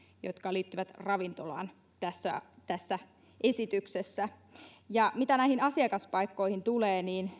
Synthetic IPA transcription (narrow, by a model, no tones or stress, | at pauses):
jo̰t̪kɑliːt̪ːyʋæt̪rɑʋint̪olɑ̰ːn | t̪æsːæ̰t̪æsːæ | ʔesit̪yksesːæ | jɑmit̪ænæihinɑsiɑkɑspɑikːo̞ihint̪uleːniːn